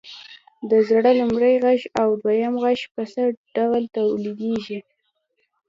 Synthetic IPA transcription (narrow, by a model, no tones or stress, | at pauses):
d̪əzɽalʊmɾajɣaʃawd̪wajamɣaʃpəsəɖ̥awlt̪awlid̪eʒi